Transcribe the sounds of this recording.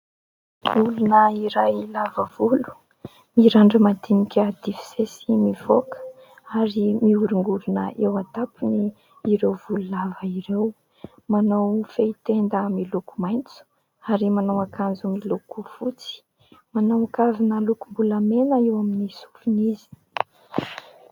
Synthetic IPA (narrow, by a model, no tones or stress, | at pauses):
ulunəiɾajilavəvulu̥ | miɾaɳɖ͡ʐəmad̪inikʲəd̪̥ifi̥sesimivokə̥ | aɾimiuɾuŋɡuɾunəʔewat̪apini | iɾewvululavəiɾew | manawfeit̪end̪əmilukumajnt͡su̥ | aɾimanawakand͡zumilukufut͡si̥ | manawakavinəlukumbulamenəewaminisu̥funizi̥